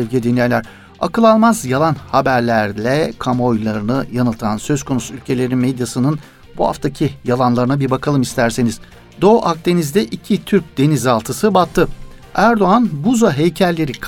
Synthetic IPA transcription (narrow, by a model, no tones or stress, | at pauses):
ɛvɡɟid̪inlʲɛjlʲæɾ | a̰kɯlˠalˠmazjalˠanhabæɾlʲæɾlʲɛkʰamo̞jlˠaɾɯnɯjanɯlˠt̪ʰansø̞zkʰo̞nusuylʲcʰe̞lʲe̞ɾinmed̪jasɯnɯn | buha̰ft̪ʰacʰijalˠanlˠaɾɯnabiɾbakʰalˠɯmist̪ʰæɾse̞niz̥ | d̪o̞ʔak̚d̪e̞nizd̪ɛʔicʰit̪ʰyɾc̚d̪e̞nizalˠt̪ʰɯsɯbat̪ʰːɯ | æɾd̪o̞anbuzaɦejcʰæɾlʲe̞ɾikʰ